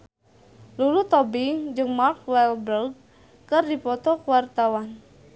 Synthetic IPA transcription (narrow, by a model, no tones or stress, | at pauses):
lulut̪ɔbid͡ʒɨŋmark̚wɛlbɾərɡ | kərdipɔt̪ɔkuwart̪awan